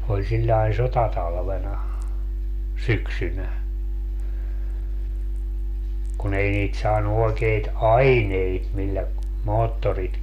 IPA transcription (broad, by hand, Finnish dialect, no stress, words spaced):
olʲ silʲːɑi sotɑtɑlʋenɑ syksynæ kun ei niːt sɑːnu oekeit ɑineit milːæ moːtːorit